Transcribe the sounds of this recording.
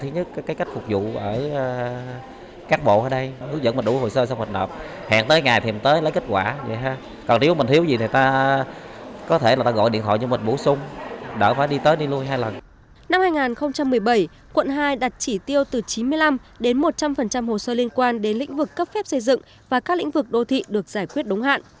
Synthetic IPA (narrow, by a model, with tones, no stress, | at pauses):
t̪ʰi˨˦ɲɨ˦˥t̚kːkaː˨˦jka˦˥jk̟̚fʊ˨˩k͡p̚zṵ˧˨ʔəː˧˩˧ | kaː˦˥k̚ɓo̰˧˨ʔəː˧˩˦ɗə˧jhɨ˦əŋzə̰˧˥nmə˨˩nɗu˧˩˦ho̰˧˨səː˧sa˧ŋ͡mhwə˨˩t̚həː˨˩p̚ | ha̰˧˨ŋt̪əː˨˦jŋaː˨˩jt̪ʰi˨˩mt̪əː˨˦jlə˨˦jke˦˥t̚kwaː˧˩zḭ˧˨jɦaː˧ | kɔ˨˩nt̪i˨˦əwmï˨˩ŋʰi˨˦əwzi˨˩t̪i˨˩t̪aː˧ | kɔ˨˦t̪ʰe˧˩laː˨˩t̪aː˧ɣɔ̰˧˨ɗḭ˧˨nt̪ʰɔ̰˧˨jt͡ɕɨ˧mï˨˩nɓu˧˩˦sʊ˧wŋ͡mɗəː˧˩faː˧˩jɗi˧t̪əː˨˦jɗi˧lu˧əjɦaː˧jlə˨˩n | na˧mhaː˧jŋaː˨˩nxə˧wŋ͡mt͡ɕa˧mːɨ˨˩əjɓə˧˩j | kwə̰˧˨nɦaː˧jɗa˨˩t̚t͡ɕi˧˩t̪i˧əwt̪ɨ˨˩t͡ɕi˨˦nmɨ˧əjla˧m | ɗe˨˦nmo˨˩t̚t͡ɕa˧mfə˨˩nt͡ɕa˧mho˨˩səː˧li˧ənkwaː˧nɗe˨˦nlḭ˧˥ŋ̟vɨ˨˩kːə˦˥p̚fɛ˦˥p̚sə˧jzɨ̰˧˨ŋ | vaː˨˩kaː˦˥lḭ˧˥ŋ̟vɨ˨˩k̚ɗo˧t̪ʰḭ˧˨ɗɨ˨˩ək̚z̥aː˧˩jkwi˦˥ət̚ɗʊ˨˦ŋ͡mɦa̰ː˧˨nʔ